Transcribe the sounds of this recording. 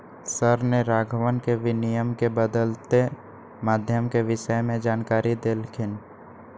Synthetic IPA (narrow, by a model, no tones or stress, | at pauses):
səɾneɾaːɡʱʋənkeʋɪnɪjəmkebəd̪əlt̪e | maːd̪ʱjəmkeʋɪʃəjmẽd͡ʒaːnkaːɾid̪elkʰɪn